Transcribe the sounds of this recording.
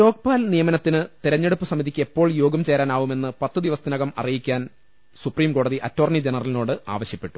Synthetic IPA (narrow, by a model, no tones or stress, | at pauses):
to̞ːk̚paːlnijɐmɐnɐt̪ːinɨt̪iɾɐɲːeɽupːɨsɐmiðikʲːɨe̞pːo̞ːɭjo̞ːɡɐmt͡ɕe̞ːɾaːnaːʋume̞nːɨpɐt̪ːɨd̪iʋɐsɐd̪inɐɣɐmɐ̰rijikʲːaːn | supriːmko̞ːɽɐðiʔɐtːo̞ːrnid͡ʑenɐrɐlino̞ːɽɨa̰ːʋɐɕjɐpːe̞ʈːu